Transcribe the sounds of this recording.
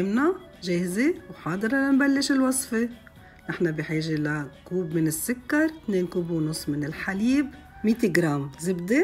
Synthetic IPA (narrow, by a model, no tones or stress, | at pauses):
ɪmna | ʒeːhzewħɑːd̪ˤɨɾˤɑlanbalːɪʃɪlwɑsˤfe | nɪħnabɪħiːʒelakuːbmɪnɪsːʊkːɑɾˤt̪neːnkuːbwnʊsˤːmɪnɪlħaliːb | miːt̪iɡɾˤaːmzɪbd̪e